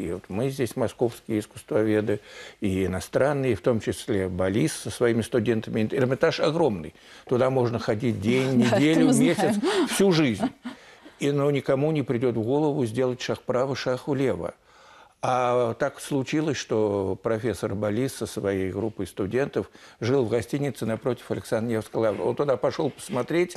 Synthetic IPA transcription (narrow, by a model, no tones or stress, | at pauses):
ivot̪mɨzʲdʲesʲmɐsko̞fskʲɪjəɪskʊ̥st̪vɐvʲe̞d̪ɨiɪnɐst̪ɾʔanːɨjəft̪o̞mt͡ɕɪsʲlʲe̞bɐlʲissəsvɐimʲɪst̪ʊdʲe̞nt̪əmʲɪnɪrmʲɪt̪aʂɐɡɾo̞mnɨj | t̪ʊd̪amo̞ʐnəxɐdʲit̚ʲdʲenʲnʲɪdʲelʲʊvmʲesʲɪt̪sfsʲuʐɨzʲnʲinonʲɪkɐmunʲɪpɾʲɪdʲo̞t̪vɡo̞lˠəvʊzʲdʲe̞lˠətʲʂaxpɾavɨʂaxʊlʲevə̰ | at̪akslˠʊt͡ɕilˠəsʲʂt̪opɾɐfʲe̞sːərbɐlʲisːəsvɐjejɡɾupːɨjst̪ʊdʲe̞nt̪əfʐɨlˠvɡɐsʲtʲinʲɪt̪sɨnɐpɾo̞tʲɪ̥fɐlʲɪksanjefskəlˠavə̰o̞̰nt̪ʊd̪apɐʂo̞lˠpə̥smɐt̪ɾʲetʲ